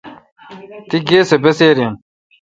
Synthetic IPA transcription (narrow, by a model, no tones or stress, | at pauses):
t̪iɡeːsebeseːɾen